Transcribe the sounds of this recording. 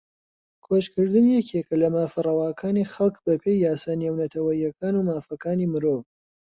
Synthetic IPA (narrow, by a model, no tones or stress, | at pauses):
kʰoːʃkɨɾd̪ɨnjɛkʰekɐlɐmaːfɐrɐwaːkʰaːniːxɐlˠkbɐpʰejːaːsaːneːwnɐt̪ʰɐwɐjːɐkʰaːnuːmaːfɐkaːniːmɨɾoːv